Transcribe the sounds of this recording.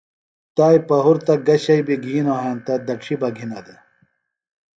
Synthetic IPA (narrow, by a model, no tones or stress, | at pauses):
t̪aːjpɐɦuɾt̪ɐɡɐɕɐjbiɡʱiːnoɦant̪ɐd̪ɐʈʂʰibɐɡʱinɐd̪e